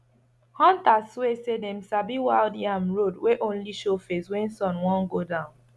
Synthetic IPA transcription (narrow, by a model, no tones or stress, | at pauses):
hɔ̃ntaswesedɛ̃msabiwaldiãmɹodweʔõnliʃofeswɛ̃nsɔ̃nwɔ̃nɡodãʊ̃n